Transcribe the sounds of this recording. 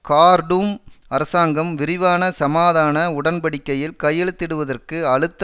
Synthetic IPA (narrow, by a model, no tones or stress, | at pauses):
kaːɾɖuːmɐɾɐsaːŋɡɐmʋɪɾɪʋaːnɐsɐmaːðaːnɐʊɽɐnpɐɽɪkːɐjɪlkɐjːɛɭɯt̪ːɪɽɯʋɐðɐrkɯɐɭɯt̪ː